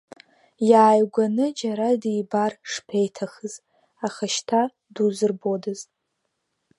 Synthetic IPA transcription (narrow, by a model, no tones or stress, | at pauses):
jaːjɡʷanɨd͡ʒaɾadibarʂpʰejtʰaχɨz | aχaʃtʰa | duzɨrbodɨzʼ